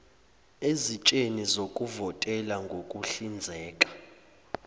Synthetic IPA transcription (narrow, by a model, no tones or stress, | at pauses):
ezit͡ʃʼenizokʼuvɔtʼɛlaŋɡʱokʼuɬind͡zʱɛːkʼḁ